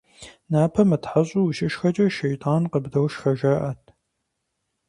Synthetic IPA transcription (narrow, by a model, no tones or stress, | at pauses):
naːpʰɐmɨtħaɕʼuwʃɪʃxɐt͡ʃʼɐʃejtʰʼaːnqəbdɐwʃxɐʒɐʔɐtʰ